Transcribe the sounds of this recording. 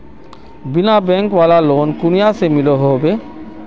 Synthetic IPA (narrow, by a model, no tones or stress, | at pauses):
binabɛŋkwalalonkunijasemiloɦobe